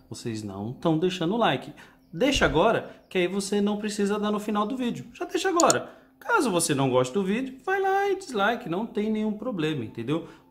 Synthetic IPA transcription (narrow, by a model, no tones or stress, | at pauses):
vosḛznɐ̰̃w̃t̪ɐ̃w̃d̪ejʃɐ̃nd̪ʊlajkɪ | d̪ejʃɐaɡɔɾɐkɪaivosenɐ̃w̃pɾesizɐd̪anʊfinawd̪ʊvid͡ʒʊʒ̥ad̪eʃɐaɡɔɾɐ | kazʊvosenɐ̃w̃ɡɔst͡ʃɪd̪ʊvid͡ʒʊvajlaɪd͡ʒizlajkɪnɐ̃w̃t̪ẽj̃nẽj̃ũpɾoblẽmɐĩt̪ẽnd̪ew